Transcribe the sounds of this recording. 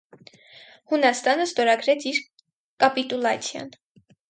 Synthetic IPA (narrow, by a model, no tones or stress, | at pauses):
hunɑst̪ɑnəst̪ɔɾɑɡɾɛt͡sʰiɾ | kɑpit̪ulɑt͡sʰjɑ̰n